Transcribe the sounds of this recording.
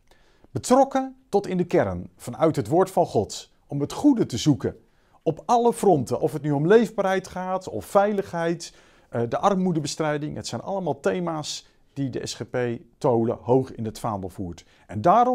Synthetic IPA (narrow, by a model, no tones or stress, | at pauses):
b̥ətrɔkətɔtɪndəkɛɾənv̥ɑnœɥtɦətʋoːɹtfɑnχɔt | ɔmətχudətəzukə | ɔpɑləv̥rɔntəʔɔfɦətnyɔmlejvbaːrɦɛjtχaːtɔ̰ffɛjləχɦɛjt | dəʔɑrmudəbəstrɛjdɪŋɦətsɛjnɑ̰ləmaːlˠtejmaːs | d̥idəʔɛ̰sχepejtowlə̰ɦowχɪ̰nətfaːnəlˠv̥uːɹt | ɛndaːɾɔ